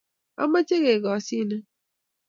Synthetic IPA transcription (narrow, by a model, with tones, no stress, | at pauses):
a̰˦ma˦t͡ʃe˦ɣe˨ɡɔ˨si˦˨nɛ˦